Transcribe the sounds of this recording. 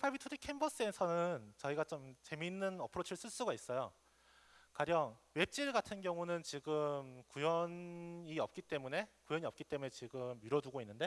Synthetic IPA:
pʰabitʰudikʰembʌs͈ɯe̞sʰʌnɯnt͡ɕʌiɡat͡ɕomt͡ɕe̞minːɯnʌpʰɯɾot͡ɕʰiɭs͈ɯɭs͈uɡais͈ʌjo | kaɾjʌŋwe̞p̚t͡ɕ͈iɭɡatʰɯnɡjʌŋunɯnt͡ɕiɡɯmkujʌniʌp̚k͈it͈e̞mune̞kujʌɲiʌp̚k͈it͈e̞mune̞t͡ɕiɡɯmiɾʌduɡoinːɯnde̞

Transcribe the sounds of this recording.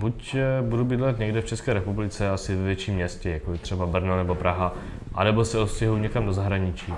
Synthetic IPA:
bucbudubɪdlɛt̪ɲɛɡdɛft͡ʃɛskɛːɾɛpublɪt͡sɛasɪvɛvjɛt͡ʃiːmːɲɛscɛjakobɛt̪r̥ɛbabr̩nonɛbo̞pɾaɦa | ʔa̰nɛbosɛot̪scɛɦuwɲɛkamdo̞zaɦɾaɲɪt͡ʃiː

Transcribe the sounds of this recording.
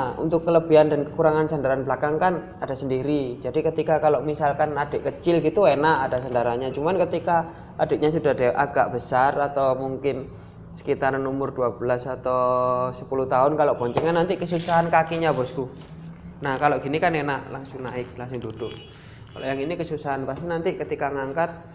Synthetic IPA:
aṵnt̪ʊkːələbiandankəkuɾaŋansandaɾanbəlakaŋkan | adasəndiɾid͡ʒadikət̪ikakaloʔmisalkanadɛʔkət͡ʃɪlɡit̪uenaʔadasandaɾaɲat͡ʃumankət̪ika | adɛʔɲasudadeʔaɡaʔb̥əsarat̪awmuŋkɪn | sə̥kit̪aɾanɔmʊrduabəlasat̪awsə̥puluht̪aʊnkaloʔpɔɲt͡ʃɛŋanːant̪ikəsusaɦankakiɲabɔsku | nahkaloʔɡ̥inikannaʔlaŋsʊŋnaɪk̚laŋsʊŋdudʊk̚ | kalo̰ʔjaŋinikəsusaɦanpast̪inant̪ikət̪ikaŋaŋkat̪̚

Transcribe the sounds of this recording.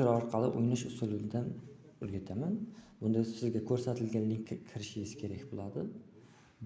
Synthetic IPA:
ɪɾɒɾqʰɑlˠɪʔʊjnɪʃʊsʊlˠɪnd̪an | ɵɾɡʲat̪ʰamanbʊnd̪asɪzɡʲakʰɵɾsat̪ʰɪlɡʲanːɪŋkʲʰɪɾɪʃɪɪz̥kʲʰe̞ɾakʲbolˠad̪ɪ | b

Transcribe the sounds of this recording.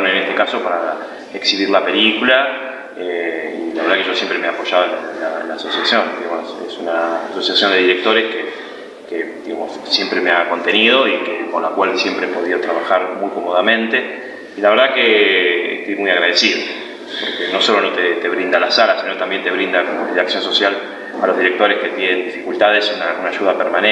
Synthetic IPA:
nenest̪e̞kaso̞paɾa | eksiβiɾlape̞likula | eilaβɾðakeʒo̞sje̞mpɾemeeapo̞ʒað̞oenlaḛla̰ːso̞sjasjo̞nd̪iɣamosesunaːso̞sjasjond̪eðiɾek̚t̪o̞ɾeske | ked̪iɣamossje̞mpɾemeako̞nt̪e̞nið̞o̞ikeko̞nlakwalsje̞mpɾeepo̞ðiðo̞t̪ɾaβaxaɾmujko̞mo̞ðamẽnt̪e | ilaβeɾðakeḛht̪ojmujaɣɾað̞esiðo | po̞ɾkeno̞so̞lo̞not̪et̪e̞βɾind̪alasalasino̞t̪ambje̞nt̪e̞β̞ɾind̪akoiaksjo̞nso̞sjal | alo̞zðiɾek̚t̪oɾeske̞t̪je̞nẽnd̪ifikult̪aðesunaunaːʒuðapeɾmane

